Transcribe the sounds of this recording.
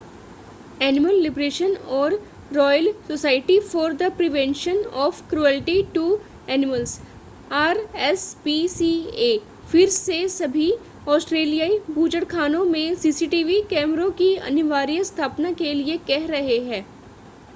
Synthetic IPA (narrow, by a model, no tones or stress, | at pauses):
ɛːnɪməlːɪbɾeːʃənɔːɾː | ɔːjəlsosaːɪʈifɔːɾd̪əpɾɪʋɛ̃nʃənɔːfkɾuɛːlʈiʈu | ɛːnɪməlz | aːɾɛspisieː | fɪɾsesɐbʱi | ɔːsʈɾeːlijaːibʱuːd͡ʒəɽkʰaːnõmẽsiːsiʈiːʋikɛːmɾõkiɐ̰nɪʋaːɾijəst̪ʰaːpnakeliekɛɦɾɐɦeɦɛ̃ː